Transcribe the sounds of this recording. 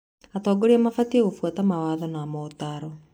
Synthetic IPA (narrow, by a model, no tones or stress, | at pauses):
atɔːɡoɾeamafateɣofwatamawaːðɔnamɔtaɾɔ